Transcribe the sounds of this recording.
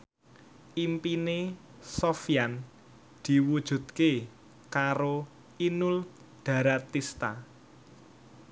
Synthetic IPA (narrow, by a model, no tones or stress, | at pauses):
ʔimpine | sofjan | d̪̥i̤wud̥ʒ̥ṳt̪̚ke | kaɾo | inʊl | d̪̥a̤ɾat̪ist̪a